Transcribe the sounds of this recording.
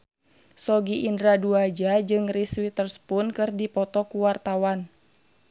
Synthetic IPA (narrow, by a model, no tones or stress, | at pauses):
sɔɡiʔindɾaduad͡ʒad͡ʒɨŋriswit̪ərspunkɨrdipɔt̪ɔkuwart̪awan